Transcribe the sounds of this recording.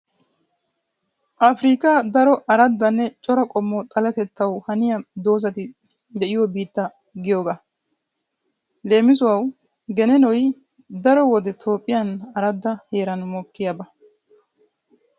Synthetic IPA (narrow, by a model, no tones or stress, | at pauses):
ʔɐfɾiːkɐd̪ɐɾɔʔɐɾɐd̪ːɐnːɛt͡ʃʼɔɾɐkʼɔmːɔt̪ʼɐlɐt̪ɛt̪ːɐwhɐnɪjɐd̪o̞ːzɐt̪ɪ | d̪ɛʔɪjɔbiːt̪ːɐ | ɡɪjoːɡɐ | le̞ːmɪsʊwɐw | ɡɛnɛnɔj | d̪ɐɾɔwɔd̪ɛt̪ʰo̞ːpʼːɪjɐnɐɾɐd̪ːɐhe̞ːɾɐnʊmɔkːɪjabɐ